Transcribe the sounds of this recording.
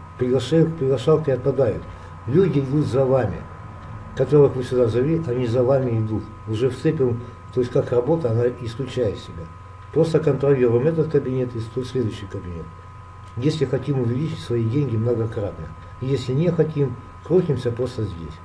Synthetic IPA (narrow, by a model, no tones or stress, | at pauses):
pɾʲɪɡlˠɐʂajʊkpɾʲɪɡlˠɐʂalˠkʲɪɐt̪̚pɐd̪ajʊ̰t̪ | lʲudʲɪɪd̪ut̪zɐvamʲɪ̰ | kɐt̪oɾəəxvɨsʲʊd̪azɐvʲiɐnʲizɐvamʲɪɪd̪ut̪ | ʊʐɛfsɛpʲɪm | t̪ojɪsʲkakrɐbo̞t̪əɐnaʔɪsklʲʉt͡ɕæjɪt̪sʲɪbʲa | pɾo̞st̪əkənt̪ɾɐlʲiɾʊjɪmɛt̪ət̪kəbʲɪnʲe̞t̪ist̪osʲlʲe̞d̪ʊjʏɕːɪjkəbʲɪnʲe̞̰t̪ | jesʲlʲɪxɐtʲimʊvʲɪlʲit͡ʃɪtʲsvɐidʲenʲɡʲɪmnəɡɐkɾat̪nə | jesʲlʲɪnʲexɐtʲim | kɾotʲɪmsʲəpɾo̞st̪əzʲdʲesʲ